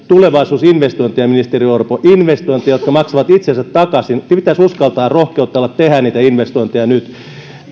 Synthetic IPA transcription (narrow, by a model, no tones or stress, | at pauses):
t̪uleʋɑisuːsinʋest̪oint̪ijɑminist̪eriorpoʔinʋest̪oint̪ˑejɑjot̪kɑmɑksɑʋɑt̪it̪sensæt̪tɑkɑsinpit̪æsuskɑlt̪ɑːrrohkeut̪ːˑɑlːɑt̪t̪ehæniːt̪æinʋest̪oint̪ejɑnyt̪